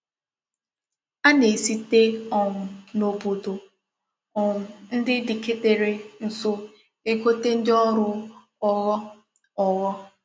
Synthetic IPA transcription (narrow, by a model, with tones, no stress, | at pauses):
a˦ne˨si˦te˦ɔ˨ŋʊ˨no˨bo˨do˨ | ɔ˨ŋʊ˨n̩˦dɪ˦dɪ˨ke˦te˨ɾe˨n̩˨so˦ | e˦ko˦te˦n̩˦dɪ˦ɔ˦ɾʊ˦ | ɔ˦ɣɔ˦ | ɔ˨ɣɔ˦